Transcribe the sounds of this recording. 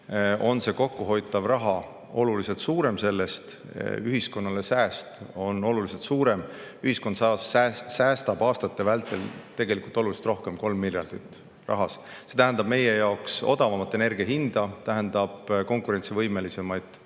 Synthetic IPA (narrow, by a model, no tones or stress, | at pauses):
ʔo̞nse̞ːko̞kːuɦo̞jt̪ːˑɑvrɑɦɑ | o̞lulise̞lt̪suːɾe̞mse̞lːe̞st̪ | yɦisko̞nːɑle̞sæːst̪o̞no̞luliset̪suːɾe̞myhiskod̪sɑæsæːst̪ɑb̥ɑːst̪ɑt̪ːˑe̞vælt̪ːˑe̞lt̪e̞ɡe̞likult̪olulist̪ro̞hke̞mko̞lmːilʲjɑrd̪̥it̪ːˑ | rʔɑ̰ɦɑs | se̞t̪æɦend̪ɑb̥̚me̞je̞jɑokso̞̰d̪̥ɑvɑmɑt̪ːˑene̞rɡ̥iɑɦind̪̥ɑt̪æɦend̪ɑb̥ko̞ŋkuɾe̞nʲtsivɤjme̞lise̞mɑjd̪̥